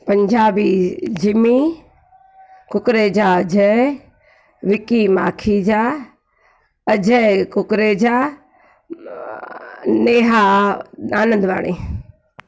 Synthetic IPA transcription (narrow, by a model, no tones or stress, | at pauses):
pɐ̃ɲd͡ʒaːbid͡ʒimi | kʊkɾeːd͡ʒaːd͡ʒʱə | ʋɪkimaːkʰid͡ʒaː | əd͡ʒəkʊkɾeːd͡ʑaː | neːɦa | aːnə̃nd̪ʋaːɽḛː